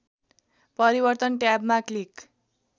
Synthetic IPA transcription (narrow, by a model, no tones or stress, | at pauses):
pʌɾibʌrt̪ʌnʈjabmaklik